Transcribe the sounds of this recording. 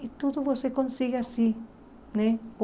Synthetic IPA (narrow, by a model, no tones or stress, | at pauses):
it̪oðoβosekonsiɣeasi | ne